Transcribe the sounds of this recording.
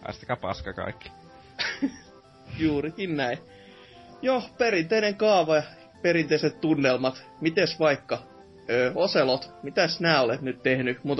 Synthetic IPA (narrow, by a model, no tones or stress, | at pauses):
ɑ̰st̪ɑ̥kɑpɑ̰skɑkɑ̰ikːi̥ | juːrikinnæi | jopeɾint̪eineŋkɑːʋɑɑ | perint̪eiset̪t̪unːelmɑt̪ | mit̪esʋɑikːɑ | øːoselot̪mit̪æsnæːolet̪nyt̪t̪ehnymut̪